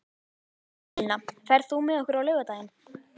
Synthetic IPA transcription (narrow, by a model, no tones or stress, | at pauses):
lnafɛɾ̥ðθumɪðɔhkʏɾawlœːɥvat̪aːjɪn